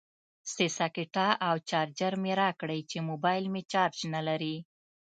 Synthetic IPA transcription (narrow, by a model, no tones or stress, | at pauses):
sesakɪʈɑʔawt͡ʃɑɾd͡ʒaɾmeɾɑkɽəjt͡ʃemobɑjlmet͡ʃɑɾd͡ʒnalaɾi